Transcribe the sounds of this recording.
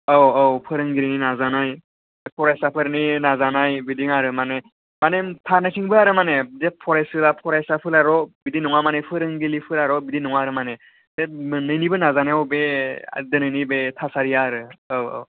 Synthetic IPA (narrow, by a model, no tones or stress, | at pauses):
awawpʰɯɾɯŋɡiɾininazanaj | pʰɔɾajsapʰɯɾninazanajbidiŋaɾɯmane | manetʰanakʰiŋbɯaɾɯmanedepʰɔɾajsɯlapʰɔɾajsapʰɯlaɾɔbidinɔŋamanepʰɯɾɯŋɡilipʰɯlaɾɔbidinɔŋaɾɯmane | semɯnɯjnibɯnazaneawbea̰dɯnɯjnibetʰasaɾijaɾɯaw̰w